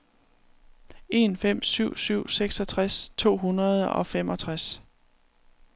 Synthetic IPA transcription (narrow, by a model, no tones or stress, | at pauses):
e̝nfem̰syʊ̰syʊ̰seɡ̥sɒ̽t͡sʰʁast͡sʰo̝̰ːɦunɐð̞ˠɒ̽fem̰ɒ̽t͡sʰʁas